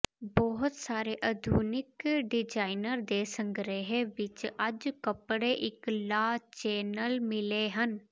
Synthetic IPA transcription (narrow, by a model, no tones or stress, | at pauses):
bɔɦʊt̪saːɾeːʔəd̪ʱuːnɪkɖɪd͡ʒaːɪnəɾd̪eːsə̃ŋɡɾeɦeʋɪt͡ʃəd͡ʒkəpɽeʔɪklaːt͡ʃeːnəlmɪleːɦən